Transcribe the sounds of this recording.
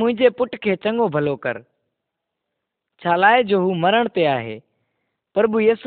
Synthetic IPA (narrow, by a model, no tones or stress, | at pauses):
ʊ̃ɦɪ̃ɲd͡ʑepʊʈkʰeːt͡ɕɐ̃ŋɡobʱɐlokɐ̰ɾ | t͡ɕʰaːlaːɪd͡ʑoːɦuːmɐɾəɽ̃t̪eaːɦḛː | pɾbujiːs